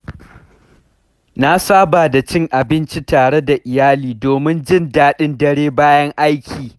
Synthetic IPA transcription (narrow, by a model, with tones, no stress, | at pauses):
na˦saː˦baː˨da˨t͡ʃɪ˦ŋʔa˨bɪ˦nt͡ʃi˦taː˨ɽe˦da˨ʔɪ˨jaː˦liː˨doː˨mɪ˦nd͡ʒɪ˦ndaː˦ɗɪ˦ndɐ˦ɽeː˦baː˦jɐ˦ŋʔa˦jkʲiː˨